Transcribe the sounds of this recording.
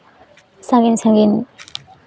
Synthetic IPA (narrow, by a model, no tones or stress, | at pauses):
saŋɡinsaŋɡin